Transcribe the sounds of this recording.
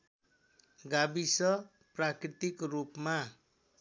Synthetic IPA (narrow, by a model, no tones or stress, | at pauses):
ɡabisʌ | prakrit̪ikrupma